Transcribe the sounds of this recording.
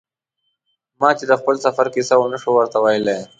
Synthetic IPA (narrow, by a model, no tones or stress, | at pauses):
mɑːt͡ʃed̪əxpəlsafaɾkisaonaʂowəɾt̪awajəla